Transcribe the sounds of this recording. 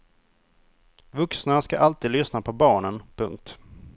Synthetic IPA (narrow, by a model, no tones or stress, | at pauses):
vɵksnaskaʔalt̪iːd̪lʏsnapʰɔbɑːɳənpʰɵ̰ŋk̚t̪